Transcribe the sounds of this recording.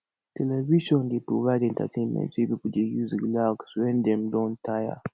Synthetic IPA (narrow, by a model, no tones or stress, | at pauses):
tʰɛlɛviʃɔ̃ndepɹovaɪdɛ̃nta̰tʰẽnmɛ̰̃ntibipud͡ʒejuziɡlaɡswɛ̃ndɛ̃mdɔ̃ntʰaja̰